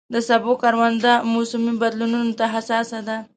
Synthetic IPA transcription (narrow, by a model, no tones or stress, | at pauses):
d̪əsabokaɾwand̪amosʊmibad̪lununot̪aɦasɑsad̪a